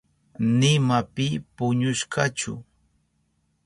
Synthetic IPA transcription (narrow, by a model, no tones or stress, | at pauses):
nɪmapɪpʊɲʊʃkɑt͡ʃʊ̰